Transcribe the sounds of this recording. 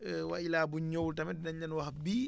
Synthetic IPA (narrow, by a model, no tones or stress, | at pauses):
wa̰ʔilaːbuɲowltamɛdnaɲːanwahbiː